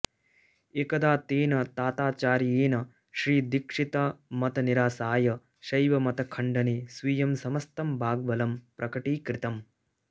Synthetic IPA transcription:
ekɐd̪aːt̪eːnɐt̪aːt̪aːt͡ʃaːɾeːnɐ | ʃɾiːd̪ikʂit̪amɐt̪ɐniɾaːsaːjɐ | ʃɐjʋɐmɐt̪ɐkʰɐɳɖɐneːsʋiːjɐmsɐmɐst̪ɐmbʱaːɡ̚bɐlɐmpɾʔɐkɐʈiːkɾɪt̪ɐm

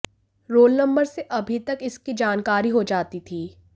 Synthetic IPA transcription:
ɾoːlnɐ̃mbəɾseʔɐbʱit̪ɐkɪskid͡ʒaːnkaːɾiɦod͡ʒaːt̪it̪ʰiː

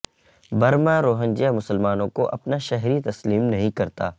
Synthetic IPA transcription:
bɐɾmãɾoːɦə̃nd͡ʒijamʊsəlmaːnõkoʔɐpnaʃɐɦɾit̪ɐsliːmnɐɦĩkɐɾt̪a̰ː

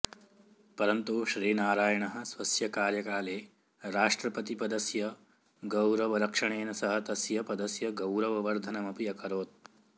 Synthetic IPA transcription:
pɐɾɐnt̪uʃɾiːnaːɾaːjɐɳɐɦɐ̆sʋɐsjɐkaːɾjɐkaːleː | ɾaːʂʈɾɐpɐt̪ipɐd̪ɐsjɐ | ɡɐwɾɐʋɐɾɐkʂɐɳeːnɐsɐɦɐt̪ɐsjɐpɐd̪ɐsjɐɡɐwɾɐʋɐʋɐɾd̪ʱɐnɐmɐpijɐkʰɐɾoːt̪̚

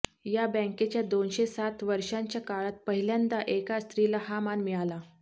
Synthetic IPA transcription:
jabɛ̃ket͡ɕjad̪onɕesat̪ʋəɾʂaɲt͡ɕjakaɭat̪̚pəɦiljand̪aʔekast̪ɾilaɦamanmiɭala

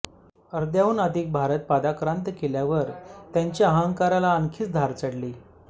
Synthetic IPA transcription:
əɾd̪jauːnəd̪ʱiːk̚bʱaɾət̪̚pad̪akɾant̪keljaʋəɾt̪jaɲt͡ɕaəɦaŋkaɾalaəŋkʰiːt͡sd̪ʱaɾt͡səɽliː

